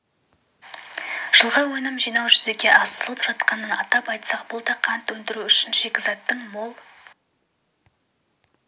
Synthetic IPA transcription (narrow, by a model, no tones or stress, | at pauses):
ʒ̥əlˠʁɑwɵnɪmʒijnɑwʒʏze̞kʲe̞ʔɑst̪əlˠəpʒ̥ɑt̪̚qɑnənɑt̪ɑpɑjt̪sɑq̚bʊlˠd̪ɑqʰɑnt̪wɵnd̪ɪɾuʏʃɪnʒe̞kʲɪzɑt̪ːəɴmo̞lˠ